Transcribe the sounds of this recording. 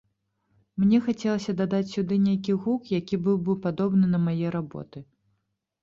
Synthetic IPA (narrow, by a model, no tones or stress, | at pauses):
mnʲɛxat͡sʲɛlˠɐsʲɐd̪ad̪at͡sʲsʲud̪ɨnʲejk̬ʲiɣukjakʲibɨwbɨwpad̪ɔbnɨnɐmajɛɾabɔ̰t̪ɨ